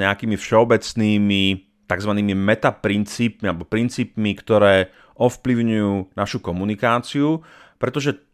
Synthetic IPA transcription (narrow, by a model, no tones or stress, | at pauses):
ɲɛakiːmifʃɛɔbɛt͡sniːmi | t̪aɡzʋaniːmimɛt̪apɾint͡siːp̚mialɛbɔpɾint͡siːpmikt̪ɔɾɛː | ʔɔfpliʊɲujuːnaʃukɔmunikaːt͡siu | pɾɛt̪ɔʒɛ